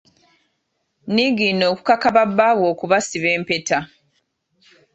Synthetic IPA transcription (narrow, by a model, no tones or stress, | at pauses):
niɡino̞ːku̥kakaβabːawo̞ːkuβasiβeːmpe̞ta